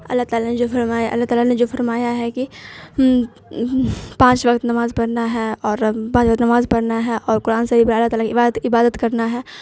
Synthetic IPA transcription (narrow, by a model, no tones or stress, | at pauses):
ɐ̰lːat̪aːlaned͡ʒoːfɐɾmaːjaʔɐ̰lːaɦt̪aːlaned͡ʒoːfɐɾmaːjaɦɛki | pãːt͡ʃʋɐkt̪nɐmaːzpɐɽnaɦɛɔːɾpãːt͡ʃʋək̚t̪nɐmaːzpɐɽnaɦɛʔɔːɾkʊɾaːnsɐbipɐɾɐlːaɦt̪aːlakiɪbaːd̪t̪ɪbaːd̪ət̪kɐɾnaɦɛː